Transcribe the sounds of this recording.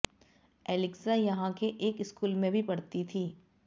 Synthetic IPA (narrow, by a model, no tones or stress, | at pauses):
ɛːlɪksajɐɦãkeʔeːkɪskuːlmẽbʱipɐɽt̪it̪ʰiː